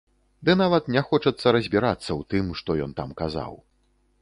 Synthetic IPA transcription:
d̪ɨnavɐt̪nʲɛxɔt͡ʂɐt̪sːɐɾɐzʲbʲiɾat̪sːɐwt̪ɨmʂt̪ɔjɔ̰nt̪a̰mkaza̰w

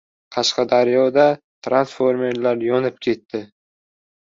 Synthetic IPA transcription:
qʰɑʃqɑd̪aɾjɒd̪a | t̪ʰɾansfoɾme̞ɾlaɾjɒnɪp̚kʲʰe̞t̪ːɪ

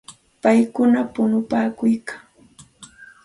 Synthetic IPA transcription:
pajkʊnapʊnʊpaːkʊjkḁ

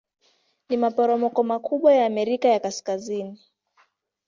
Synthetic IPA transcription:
nimapɔɾɔmɔkɔmakʰuɓwajaːmɛɾikajakaskazini

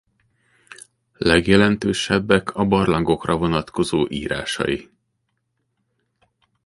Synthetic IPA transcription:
lɛɡjɛlɛnt̪øːʃɛbːɛkʰɒbɒrlɒŋɡo̞krɒvo̞nɒt̪kʰo̞zoːʔḭːɾa̰ːʃɒ̰ji

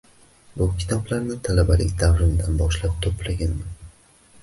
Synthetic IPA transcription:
bʊkʲʰɪ̥t̪ʰɒblaɾnɪt̪ʰalabalɪ̰kʲd̪avɾɪnd̪anbɒʃlap̚t̪ʰopʰlaɡʲanman

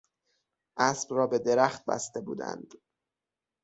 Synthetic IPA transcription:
ʔæsb̥rɒːbe̞d̪e̞ɾæxt̪̚bæ̰st̪e̞bṵːd̪æ̰nd̪̥

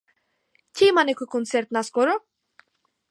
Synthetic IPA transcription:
cʲimanekukont̪sert̪naskoɾo

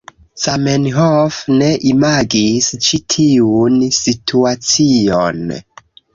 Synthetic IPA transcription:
samenɦofne̞ʔimaɡist͡ʃitʰiunsitʰuat͡sio̰n

